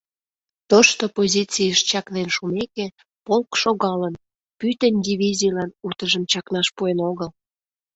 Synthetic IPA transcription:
t̪oʃt̪opozʲit͡sijəʃt͡ɕɑknenʃumeke | polkʃoɣɑlən | pyt̪ənʲd̪ʲiβʲizʲijlɑnut̪əʒəmt͡ɕɑknɑʃpuenoɣəl

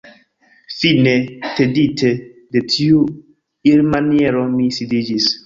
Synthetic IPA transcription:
fineteditʰedetʰiu | iɾmaniɛɾomisidid͡ʒis

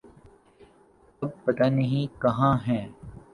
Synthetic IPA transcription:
ɐb̚pɐt̪anɐɦĩkɐɦãɦɛ̃ː

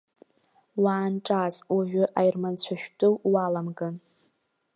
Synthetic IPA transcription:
waːnʈ͡ʂʼazaʒʷᶣʏʔajrmant͡ɕʷʰaʃᶣtʼɨwwalamɡan

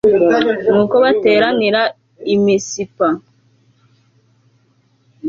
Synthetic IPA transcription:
mukobatɛɾaniɾa | imisipa

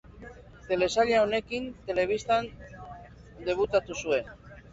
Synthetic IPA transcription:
t̪e̞le̞saʎaone̞kint̪e̞le̞β̞ist̪an | d̪e̞β̞ut̪at̪usue̞n

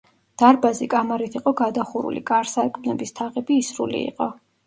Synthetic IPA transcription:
d̪̥aɾbazikʼamaɾit̪ʰiqʼɔɡad̪aχuɾṵlḭkʼaɾsaɾkʼmnɛbist̪ʰaʁɛbiːsɾṵlḭḭqʼɔ

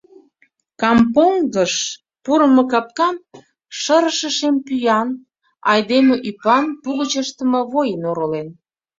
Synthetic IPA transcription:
kɑmpoŋɡəʃ | puɾəmɤ̆kɑp̚kɑm | ʃəɾəʃə̆ʃempyjɑn | ɑjd̪emeʔypɑnpuɣət͡ɕəʃt̪əmɤ̆βojənoɾolen

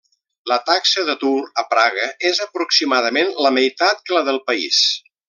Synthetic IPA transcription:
lət̪aksəðət̪uɾəpɾaɣəezəpɾuksimaðəmenləməjt̪at̪̚kələðəlˠpəḭs

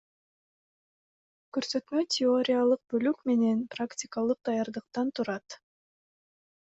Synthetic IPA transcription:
køɾsø̞t̪møtʲʰɪo̞ɾʲijalˠɯq̚bølykme̞ne̞npraktʲɪkalˠɯq̚d̪ɑjɑɾd̪ɯqt̪ɑnt̪ʰuɾɑt̪

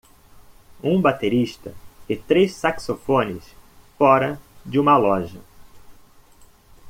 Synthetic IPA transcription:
ũbat̪eɾiʃt̪ɐ̰ɪt̪ɾessaksofõnɪ̰sfɔɾɐd͡ʒɪũmɐlɔʒɐ

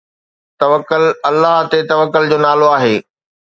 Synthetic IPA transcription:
t̪ɐʋəkːʊlɐlːaɦt̪et̪ɐʋəkːʊld͡ʑoːnaːloaːɦeː

